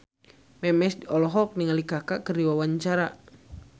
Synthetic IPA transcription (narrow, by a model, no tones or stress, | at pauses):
mɛmɛsdiɔlɔɦɔk̚niŋalikaka̰kərdiwawaɲt͡ʃaɾa